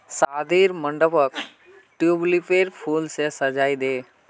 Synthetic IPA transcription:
saːd̪ʱiːɾməɳɖəpək | ʈjublipeːɾpʰuːlsesəd͡ʒaːid̪eː

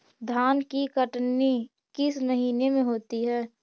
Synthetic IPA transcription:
d̪ʱaːnkikəʈni | kɪsməɦiːnemẽɦoːt̪iɦɛː

